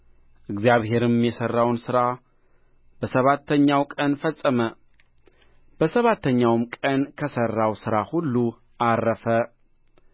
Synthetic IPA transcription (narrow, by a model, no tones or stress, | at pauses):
ʔɨɡzijaβhe̞ɾɨmjɛsərːawnsɨɾa | b̥əsəβat̪ʰːəɲːawkʼənfəsʼːəmə | b̥əsəβat̪ʰːəɲːawmkʼənkʰəsərːawsɨɾahulːu | ʔarːəfə